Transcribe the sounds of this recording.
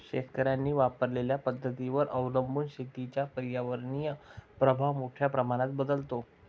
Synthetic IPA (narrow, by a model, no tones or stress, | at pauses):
ɕet̪kəɾjanːiːʋapəɾleljapəd̪ʱːət̪iʋəɾʔəʋləmbuːnɕet̪it͡ɕjapəɾjaʋəɾɳijəpɾəbʱaʋmoʈʰjapɾəmaɽ̃ãt̪̚bəd̪əlt̪o